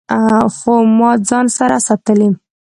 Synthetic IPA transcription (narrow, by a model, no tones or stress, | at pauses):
xomɑd͡zɑnsaɾasɑt̪əlim